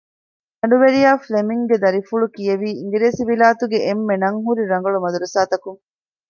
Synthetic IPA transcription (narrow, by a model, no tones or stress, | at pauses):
d̪ɐɳɖuʋeɾijaːflemiŋɡed̪ɐɾifuɭukijeʋiːiŋɡiɾeːsiʋilaːt̪uɡeʔemːenɐŋɦuɾiɾɐŋɡɐɭumɐd̪uɾusaːt̪ɐkuŋ